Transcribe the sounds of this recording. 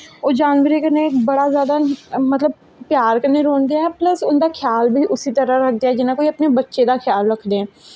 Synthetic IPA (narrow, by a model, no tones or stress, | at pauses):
oːd͡ʒaːnʋəɾekəɾnek̚bɐɽazjaːd̪amət̪ləb̚ | pjaːɾkəɾneɾoːnd̪eaɦɛpləsʊnd̪akʰɪjaːlbʱiʔʊsit̪əɾəɾɐk̚ʰd̪jaɦɛd͡ʒɪnãkoiɐpnebətːʃed̪axʰjaːlɾəkʰd̪ẽɛ̃ː